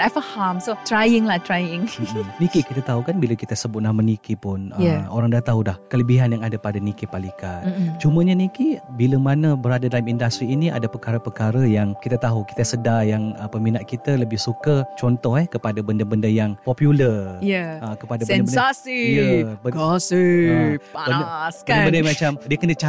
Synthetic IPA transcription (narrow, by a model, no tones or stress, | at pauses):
dafəhamsot̪ɾajɪŋlatɾajɪ̃ŋ̩nikikit̪at̪aɦukanbiləkit̪əsəbʊt̪̚nahmənikipʊnəjao̰ɾaŋdat̪aɦudahkələbiɦanjaŋadapadanikipalikant͡ʃuməɲanikibiləmanəbəɾadadalamindast̪ɾiːniʔa̰dapəkaɾəpəkaɾəjaŋkit̪at̪aɦuki̥t̪əsədajaŋəpəminaʔ̪̚kit̪ələbɪhsukət͡ʃɔnt̪ɔhɛhkəpadabəndəbəndəjaŋpɔpjulərjaəkəpadabɛdəbəsasijəbəɡɔsə | abəəsəndəbəndəmat͡ʃamdiəkənət͡ʃa